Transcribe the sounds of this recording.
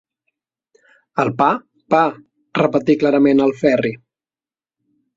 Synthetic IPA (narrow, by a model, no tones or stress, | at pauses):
əlˠpa | pa | rəpət̪iklaɾəmenəlˠfɛri